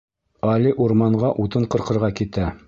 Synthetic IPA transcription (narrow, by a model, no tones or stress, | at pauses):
ɑliʔuɾmɑɴɢɑʔut̪ɤɴqɤ̆ɾqɤ̆ɾʁɑkit̪æ